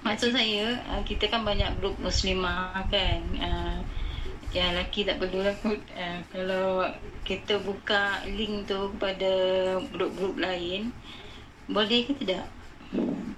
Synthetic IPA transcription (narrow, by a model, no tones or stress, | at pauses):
masuʔsajəəkit̪əkanbaɲak̚ɡɾup̚muslimahkanəm | jaŋlakit̪aʔpərlulakut̪̚əmkalawkit̪əbukalɪŋt̪ukəpadaɡɾup̚ɡɾup̚laɪn | bolɛhkit̪ədaʔ